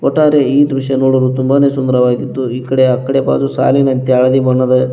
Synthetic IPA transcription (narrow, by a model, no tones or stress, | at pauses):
kɔʈːaːɾeiːd̪ɾuʂɐnoːɽuɾut̪umbaːne̞ːsund̪ɐɾɐʋaːɡit̪ːuiːkɐɽeɐkːɐɽeba̰ːd͡ʒusa̰ːlinɐnt̪eɐɭɐd̪ibɐɳːɐd̪e